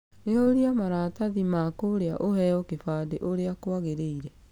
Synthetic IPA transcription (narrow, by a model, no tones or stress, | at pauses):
neoɾiamaɾaːtaðimakoɾea̰ʔohɛɔkefaːdeʔoɾeakoaɣeɾeiɾɛ